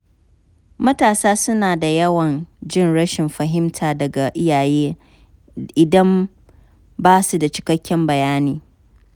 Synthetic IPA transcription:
mɐ˦taː˨saː˦sʊ˦naː˨da˨jɐ˦wɐ˨nd͡ʒɪ˦nɽɐ˦ʃɪ˨mɸɐ˨ɦɪ˦mtʰaː˨dɐ˨ɡa˨ʔɪ˦jaː˨jeː˦ | ʔɪ˨dɐ˦m | baː˦su˨da˨t͡ʃɪ̥˨kɐ˦kʲːɛ˦mbɐ˨jaː˦niː˦

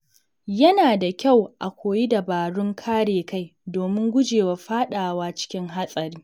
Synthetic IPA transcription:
jɐ˦naː˨da˨kʲa˦˨wʔa˨kʷoː˨ji˦da˨baː˨ɽʊ˦ŋkʰaː˦ɽeː˨ka˦˨jdoː˨mɪ˦ŋɡʷʊ˦d͡ʒeː˨wa˨ɸaː˦ɗaː˨waː˦t͡ʃɪ̥˦kʲɪ˦ŋɦa˦sʼɐ˨ɾiː˦

